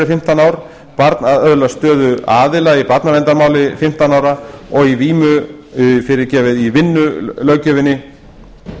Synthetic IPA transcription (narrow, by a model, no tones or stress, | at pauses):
ɪfɪm̥t̪anaːwɾ | paɾt̪naðœðlast̪œːðʏaːðɪlaipat̪navɛnt̪aɾmaːwlɪfɪm̥t̪anaːwɾaɔɣiviːmʏfɪɾɪɾcɛːvɪðivɪnːʏlœːɥcœvɪnːɪ